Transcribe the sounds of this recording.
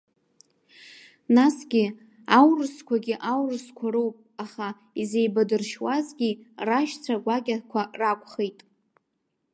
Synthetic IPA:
nasɡʲi | awrɨskʷʰaɡʲiʔawrɨskʷʰaɾowpʼaχa | ize̞jbadɨrʃwazɡʲiraʃt͡sʷʰaɡʷaɡʲakʷʰarakʷʰʼχejtʼ

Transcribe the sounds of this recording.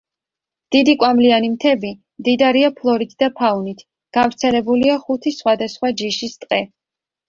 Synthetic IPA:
d̪̥id̪ikʼwamlianimt̪ʰɛbi | md̪id̪aɾiapʰlˠɔɾit̪ʰd̪apʰaunit̪ʰ | ɡ̥avɾt̪sʰɛlɛbuliaχut̪ʰisχwad̪asχwad͡ʒiʃist̪ʼqʼɛ

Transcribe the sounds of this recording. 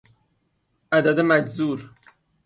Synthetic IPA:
ʔæd̪æd̪emæd͡ʒzuːɾ

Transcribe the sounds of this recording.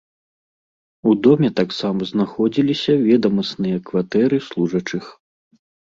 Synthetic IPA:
ud̪ɔmʲɛt̪aksamɐznaxɔd͡zʲilʲisʲɐvʲɛd̪ɐmɐsnɨjɐkvat̪ɛɾɨslˠuʐɐt͡ʂɨx

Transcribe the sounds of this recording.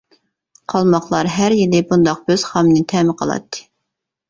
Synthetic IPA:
qʰɑlˠmɑχlˠɑɾɦæɾjilɪbund̪ɑq̚b̥øz̥χɑmnɨt̪ʰɛmɪqʰəlˠɑ̰t̪ʰːɨ̥

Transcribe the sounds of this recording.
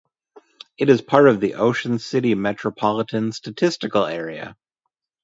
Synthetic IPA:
ɨɾɨz̥pʰɑɹɾʌvðiʔoʊʃɨ̃n̩sɪɾimɛt͡ʃɹ̥əpʰɑlˠəɾɨ̃nstɨtʰɪstɨkl̩ˠɛɹiɨ̰

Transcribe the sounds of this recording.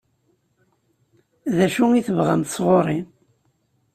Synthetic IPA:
ðæʃuŋiθəvʁæ̰mt̪sˤʁoɾˤi

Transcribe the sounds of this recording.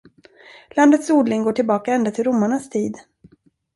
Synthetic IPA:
land̪ət̪suːd̪lɪŋɡoːʈʰɪlbɑːkaɛnd̪at̪ʰɪlɾʊmːaɳast̪ʰiːd̪

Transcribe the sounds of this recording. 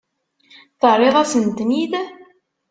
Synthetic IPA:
θərˤːeʁæsənt̪nið

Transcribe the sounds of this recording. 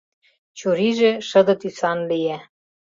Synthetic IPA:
t͡ɕoɾiʒĕʃɤ̆d̪ɤ̆t̪ysɑnlijæ

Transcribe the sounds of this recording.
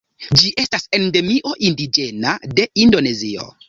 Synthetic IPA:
d͡ʒiʔe̞stase̞nde̞miʔo̞ʔindid͡ʒe̞nade̞indo̞ne̞zio̞̰

